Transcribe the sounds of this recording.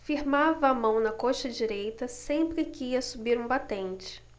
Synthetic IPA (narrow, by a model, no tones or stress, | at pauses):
fiɾmavɐːmɐ̃w̃nɐkoʃɐd͡ʒiɾejt̪ɐsẽmpɾɪkɪiɐsubiɾũbat̪ẽnt͡ʃɪ̥